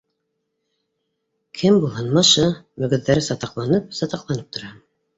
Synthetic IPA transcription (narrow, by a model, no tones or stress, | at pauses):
kʰɘmbulˠhɤnmɑʃɤmɵ̆ɡɵ̆ðːæɾɘsɑt̪ɑqlˠɑnɤp̚sɑt̪ɑqlˠɑnɤp̚t̪ʰŏɾɑ